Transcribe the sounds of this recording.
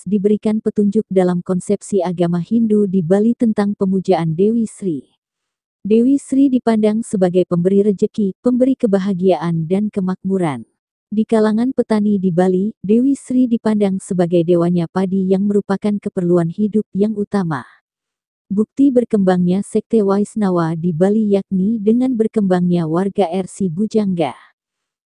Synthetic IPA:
dibəɾikanpət̪uɲd͡ʒʊk̚dalamkɔnsɛpsiaɡamahindudibalit̪ənt̪aŋpəmud͡ʒaandewisɾi | dewisɾidipandaŋsəbaɡajpəmbəɾiɾəd͡ʒəkipəmbəɾikəbaɦaɡiaʔandankəmak̚buɾan | dikalaŋanpət̪anidibalidewisɾidipandaŋsəbaɡajdewaɲapadijaŋməɾupakankəpərluanhidʊp̚jaŋut̪ama̰ | buk̚t̪ibərkəmbaŋɲasɛk̚t̪ewaisnawadibalijak̚nidəŋanbərkəmbaŋɲawarɡaɛrsibud͡ʒaŋɡa̰

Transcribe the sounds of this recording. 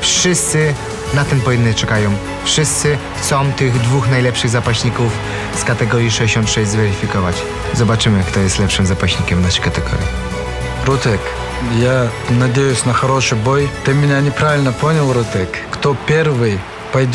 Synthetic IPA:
fʂɨst̪sɨɪ | nat̪ɨmpɔvʲinːɨt͡ʂɛkajɔ̃w̃ | fʂɨst̪sɘxt̪sɔ̃wt̪ɪɣd̪vuxnajlɛpʂɨɣzapaɕɲikuf | skat̪ɛɡɔɾʲjiʂɛeɕɔnt̪ʂɛʑʲzvɛɾɪfʲikɔvat͡ɕ | zɔbat͡ʂɘmɘkt̪ɔjɛst̪lɛpʂɨmzapaɕɲikʲɛmvnaʂɨjkat̪ɛɡɔ̰ɾʲji | ɾut̪ɛk | janɐdʲejʊsʲnɐxɐɾɔʂɨbɔjt̪ɨmʲɪnʲanʲɪpɾavʲɪlʲnəpɔnʲɪlˠɾut̪ɛkːt̪ɔpʲeɾvɨj | pɐjdʲ

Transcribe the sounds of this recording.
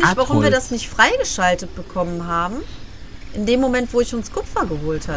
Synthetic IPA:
çv̥aʁʊmviːɐdasnɪçtfʁ̥aɪɡəʃaltət̚b̥əkʰɔmənɦaːbm̩ | ʔɪndeːmːomɛntv̥oːɪçʊnskʰʊpfɐɡəɦoːltha

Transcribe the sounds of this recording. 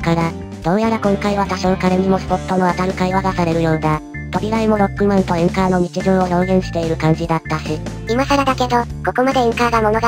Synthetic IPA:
kaɾa | d̪̥õ̞ɰ̃jaɾakõ̞ŋkaiβat̪aɕo̞ːkaɾeɲ̟imo̞sɨ̥po̞t̪ːo̞no̞at̪aɾɯ̟kaiβaɡasaɾe̞ɾɯ̟jo̞ːna | t̪o̞ɾʲiɡaimo̞ɾo̞kːimãnt̪o̞ẽŋkaːno̞ɲ̟it͡ɕiʑɨ̃ɰ̃o̞jõ̞ːɡẽ̞ɰ̃ɕi̥t̪e̞iɾɯ̟kãɲ̟d͡ʑid̪at̪ːaɕi | imasaɾad̪ake̞d̪o̞ko̞ko̞mad̪e̞ẽŋkaːɡamo̞no̞ɡa

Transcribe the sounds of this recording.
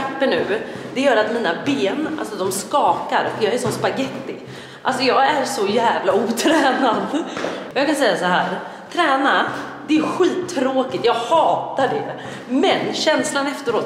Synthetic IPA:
pːəɳʉ̟ːd̪ɛjœːɾat̪miːnabeːnʔa̰lsɔd̪ɔmskɑːkaɾɔkjɑːæʂɔnspaɡɛt̪ːɪ | ʔa̰lsɔjɑːɡæɾʂɔjæːvlauːt̪ʰɾɛːnad̪ɔjɑːkʰansɛjːasɔɦæːɾ | t̪ʰɾɛːnad̪ɛɾɧiːt̪ʰːɾoːkɪt̪jɑːɡhɑːt̪aɖɛ | mɛnɕɛnslanɛft̪əɾoːt̪

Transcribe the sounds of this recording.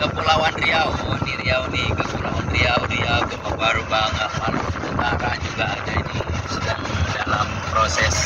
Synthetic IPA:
kəpulawanriawniɾiawnikəpulawanriawniakuməbaɾubaŋaʔmalat̪ənt̪aɾad͡ʒuɡaːd͡ʒad͡ʒisədaŋdalam | pɾosɛs

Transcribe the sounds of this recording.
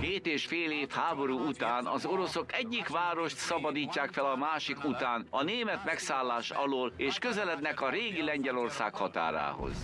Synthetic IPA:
keːt̪eːʃfeːleːfhaːbo̞ɾuːut̪aːnɒ̰zo̞ɾo̞so̞kɛɟːikʋaːɾo̞ʃt̪sɒbɒd̪iːcːaːkfɛlɒmaːʃikut̪aːnɒneːmɛt̪mɛksaːlːaːʃɒ̰loːleːʃkøzɛlɛd̪nɛkɒɾeːɡilɛɲɟɛlo̞rsa̰ːkhɒt̪a̰ːɾa̰ːho̰z̥

